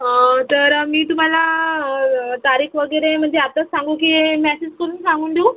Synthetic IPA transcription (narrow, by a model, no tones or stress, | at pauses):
t̪əɾmiːt̪um̤ala | t̪aɾiːkʋəɡəɾem̤əɳd͡zeapt̪asãŋɡũk̬imɛsed͡ʑkoɽ̤uːnsãŋɡuːnd̪uː